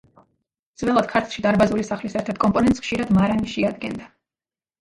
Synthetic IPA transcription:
d̪z̥vɛlˠat̪d̪̚kʰaɾt̪ʰlˠʃid̪aɾbazulisaχlisɛɾt̪ʰɛɾt̪̚ʰkʼɔmpʼɔnɛnt̪sχʃiɾad̪maɾaniʃɛad̪ɡɛ̰nd̪a

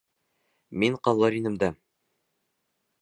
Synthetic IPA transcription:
miɴqɑlˠːɑɾinɘ̆md̪æ

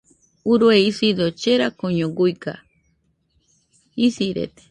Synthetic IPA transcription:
uɾweisid̪ot͡ʃeɾakoɲõɡujka̰ | isiɾḛt̪e̥

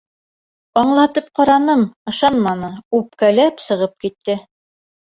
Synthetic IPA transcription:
ɑɴlˠɑt̪ɤp̚qɑɾɑnɤmɤ̆ʃɑnmɑnɤʉp̚kælæpsɤ̆ʁɤp̚kit̪ːɘ

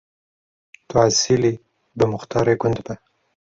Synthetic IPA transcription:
t̪asili | b̪əmʊxt̪ɑɾeɡʊnd̪ba

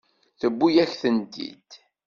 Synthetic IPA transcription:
θəbːujæçθənt̪ḭd̪̥

